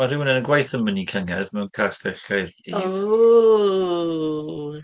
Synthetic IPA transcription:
mar̥ɪwənɛnənɡwajθəmənikʰəŋɛðmɛwnkʰaːsd̥ɛɬajrd̥i

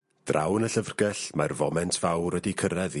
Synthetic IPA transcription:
d̥rʔa̰wnəɬəvrɡɛɬmarvɔmɛntʰv̥awɾədikʰəɾɛð

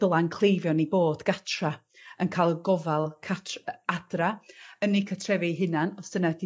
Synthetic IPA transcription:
əlˠankʰl̥ˠejvjɔniboːdɡ̥atʰra | ənkʰaːlˠɡɔvalˠkʰatʰadraənikʰatʰrɛvɪɦɪnanɔsd̥ənadi

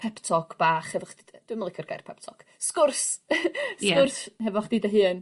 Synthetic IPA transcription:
pʰɛptʰɔkb̥aːχhɛvɔχd̥idd̥wɨmlˠɪkʰərɡajrpʰɛp̚tʰɔkskʊrs | sɛʊrshɛvɔχd̥idəɦɨːn

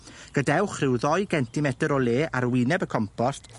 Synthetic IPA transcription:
ɡ̥ədɛwχrɪwðɔjɡɛntʰimɛdəɾɔlˠeːʔaɾwɪnɛbəkʰɔmpʰɔst

